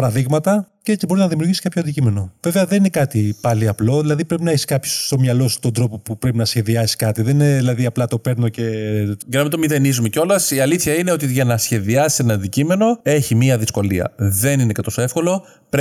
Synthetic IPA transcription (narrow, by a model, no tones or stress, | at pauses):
pɐɾɐðiɣmɐt̪ɐcebo̞ɾiznɐðimiuɾʝisi̥kɐpço̞ɐnd̪icime̞no̞veveɐðeninekɐt̪ipɐliɐplo̞ðilɐðipɾe̞pinɐçiskɐpço̥sːt̪o̞mɲɐlo̞su̥t̪o̞nd̪ɾo̞po̞pupɾe̞pinɐsçe̞ðiɐsi̥skɐt̪iðenineðilɐðiɐplɐt̪o̞pe̞ɾnoce̞ʝɐnɐmit̪omiðe̞nizumeco̞lɐsiɐliθçɐine̞o̞t̪iʝɐnɐsçe̞ðiɐsi̥senɐːnd̪icime̞no̞e̞çimiɐðisko̞liɐ̰ðe̞ninekɐt̪o̞se̞fko̞lo̞ | p